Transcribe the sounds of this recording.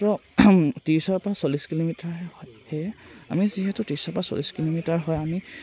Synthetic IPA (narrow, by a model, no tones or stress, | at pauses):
ɔtiɹisɔɹpɹasoliskilomitaɹɦɛhɔjhɛa̰miziɦɛtʊtiɹsɔpaso̰liskilomitaɹɦɔjami